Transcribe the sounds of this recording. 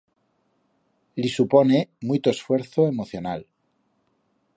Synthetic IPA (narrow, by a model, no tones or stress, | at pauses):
lisuponemujt̪oesfwe̞ɾθoemoθjo̞nal